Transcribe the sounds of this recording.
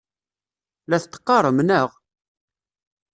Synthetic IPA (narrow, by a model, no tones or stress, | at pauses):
læθt̪ːə̥qːɑɾˤəmnəʁ